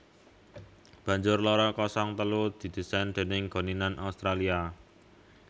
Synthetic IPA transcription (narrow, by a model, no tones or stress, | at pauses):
b̥ä̤ɲd͡ʒʊrlɔɾɔkɔsɔŋt̪əlud̪̥i̤d̪̥i̤sand̪̥e̤nɪŋɡ̥o̤ninanʔaust̪ɾalia